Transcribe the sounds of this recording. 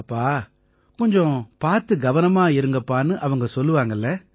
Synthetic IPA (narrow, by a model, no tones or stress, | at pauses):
ɐpːaː | kɔɲd͡ʒɔ̃paːɾt̪ɯɡɐʋɐnɐmaːɪɾɯŋɡɐpːaːnɯʔɐʋɐŋɡɐsɔlːɯʋaːŋɡɐlːɐ